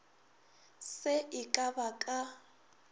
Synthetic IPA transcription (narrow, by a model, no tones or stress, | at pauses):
sɪʔɪkʼabakʼa